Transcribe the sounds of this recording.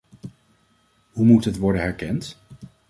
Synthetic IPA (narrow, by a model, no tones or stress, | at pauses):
ɦumutɦətʋɔɹdənɦɛɹkɛnt